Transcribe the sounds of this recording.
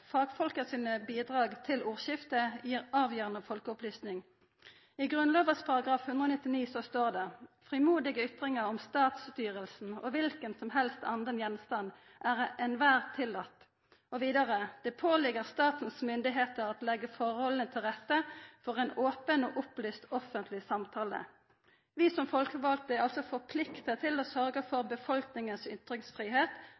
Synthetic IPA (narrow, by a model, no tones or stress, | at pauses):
fɑːɡfɔlkəsiːnəbiːd̪ʁɑːɡt̪ʰɪluːʁʃɪft̪əjiːʁɑːʋjøːʁənəfɔlkəʊplyːsnɪŋ | ɪɡʁʉnloːʋəʁspʰɑʁɑɡʁɑːfhʉnd̪ʁəoːnɪt̪ːɪniːsɔst̪oːʁd̪ɛfʁɪmuːd̪ɪɡəʏt̪ʁɪŋəʁɔmst̪ɑːt̪st̪yːʁəlsn̩ɔ̰ʋɪlkənsɔmɦɛlst̪ɑnd̪ənjɛnst̪ɑnd̪ | ʔæʁɛnʋæːʁt̪ʰɪlːɑt̪ː | ɔʋiːd̪ɑʁəd̪̥ɛpʰoːlɪɡəʁst̪ɑːt̪n̩smʏnd̪ɪɦeːt̪əʁɑt̪lɛɡːəfɔʁhɔlənət̪ʰɪlʁɛt̪ːəfɔʁɛnoːpəno̰ːʔʊplyːst̪ɔfənt̪ʰlɪsɑmt̪ʰɑːlə̰ | ʋiːsɔmfɔlkəʋɑlt̪əɛɑlsɔfɔʁpʰlɪkt̪ət̪ʰɪloːsœʁɡəfɔʁbəfɔlknɪŋənsʏt̪ʁɪŋsfʁiːɦeːt̪